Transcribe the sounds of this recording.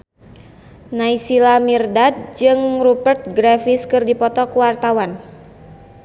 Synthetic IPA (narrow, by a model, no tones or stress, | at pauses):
naisilamirdad̪̚d͡ʒɨŋrupərt̪̚ɡɾafɪskɨrdipɔt̪ɔkuwart̪awan